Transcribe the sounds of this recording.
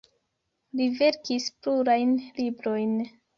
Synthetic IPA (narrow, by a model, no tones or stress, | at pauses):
live̞ɾkispluɾajnlibɾo̞jn